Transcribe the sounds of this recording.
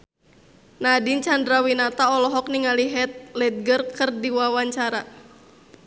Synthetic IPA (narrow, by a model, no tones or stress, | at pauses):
nadint͡ʃandɾawinat̪aɔlɔɦɔk̚niŋaliɦɛt̪̚lɛt̪̚ɡərkərdiwawaɲt͡ʃaɾa